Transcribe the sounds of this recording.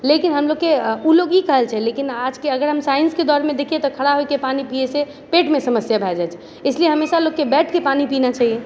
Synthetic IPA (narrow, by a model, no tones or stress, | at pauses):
lekinɦəmloɡkːeuloɡikəɦəlt͡ʃʰɛlekinad͡ʒkeəɡəɾɦəmsainsked̪ɔɾmed̪ekʰijet̪ɔkʰəɽaɦojkepanipiese | peʈmesəməsjabʱɛld͡ʒat͡ʃʰɛ | əɪslieɦəmesaloɡkːebɛʈʰkepanipinat͡ʃaɦie